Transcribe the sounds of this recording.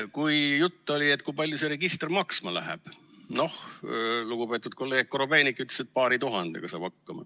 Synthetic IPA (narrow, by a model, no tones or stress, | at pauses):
kujjut̪ːolʲiet̪̚ːˑkujpɑlʲjuseɾe̞ɡist̪ermɑksmɑlæ̰ɦɛ̰b̥no̞hluɡ̥upe̞ːt̪ːˑud̪̚ko̞lːeːɡ̥̚kːoɾobe̞ːnikːˑyt̪leset̪̚pɑːɾit̪uɦɑnd̪̥ḛɡ̥ɑsɑ̰ːb̥hɑkːɑmɑ̰